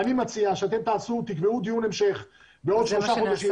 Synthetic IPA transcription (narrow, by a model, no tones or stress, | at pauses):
animat͡siaʃeat̪e̞mt̪aːsut̪ikveud̪iunemʃe̞χ | beo̞d̪ʃlo̞ʃaχod̪aʃi